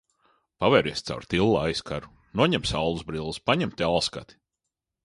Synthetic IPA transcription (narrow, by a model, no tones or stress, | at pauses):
pavɛːɾiɛst̪sa̰wɾt̪ilˠːaajskʰaɾu | nuɔɲɛmsawlˠuzbɾilˠɨspaɲɛmt̪ʲalˠska̰t̪i̥